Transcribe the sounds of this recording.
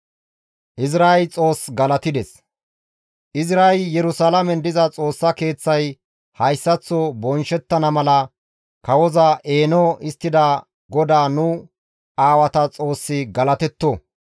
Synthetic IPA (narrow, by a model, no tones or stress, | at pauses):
ʔɪsɾaːjt͡sʼo̞ːsɡɐlɐt̪ɪd̪ɛs | ʔɪzɾaːjjɛɾʊsalɐmɛnd̪ɪzɐt͡sʼo̞ːsːɐke̞ːt͡sːɐj | hɐjsːɐt͡sːobɔnʃɛt̪ːɐnɐmɐlɐ | kɐwɔzɐʔe̞ːnɔʔɪst̪ːɪd̪ɐ | ɡɔd̪aːnʊ | aːwɐt̪ɐt͡sʼo̞ːsːɪɡɐlɐt̪ɛt̪ːo